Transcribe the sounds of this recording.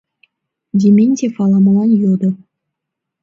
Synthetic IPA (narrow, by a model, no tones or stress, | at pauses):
dʲemʲenʲtʲefɑlˠɑmɑlˠɑnjod̪ə